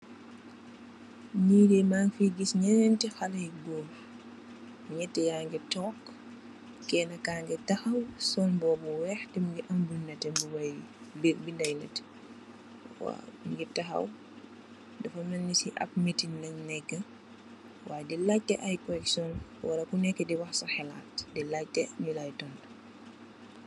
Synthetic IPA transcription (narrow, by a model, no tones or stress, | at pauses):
niːdɛmaːŋfiɡisɲɛnntixɐlɐjɡɔːm | ɲɛtːɛjaːŋɡɛtɔːk | kɛːnɐkaːŋɡɛtɐxɐwsɔnbɔːbuwɛxtimiŋɡiʔɐmbunɐtɛmbuwɐjbibindɐjnɐ̰t | wa̰ŋɡitɐxɐ̰w | dɐfɐmnɐnːisiʔɐ̰k̚mitinɐɲnɛkːə | waːjdilac̚tːɛʔajkɔɾɛksɔnwɐɾɐkunɛkːɛdiwɐxsɐxɛla̰ːtdilatːɛmilajtɔnd